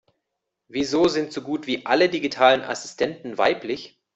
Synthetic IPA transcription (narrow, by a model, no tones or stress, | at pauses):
viːzoːzɪntz̥oːɡuːtv̥iːʔalədiɡitʰaːlənʔa̰sɪ̥stʰɛntn̩va̰ɪplɪç